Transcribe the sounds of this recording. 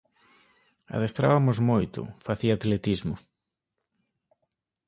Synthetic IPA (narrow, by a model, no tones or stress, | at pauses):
a̰ðest̪ɾa̰βamʊzmojt̪ʊ̰faθiaːt̪let̪izmʊ